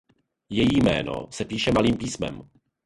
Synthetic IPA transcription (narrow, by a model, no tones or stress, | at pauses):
jɛjiːmɛ̰ːno̰sɛpiːʃɛmaliːmpiːsmɛ̰m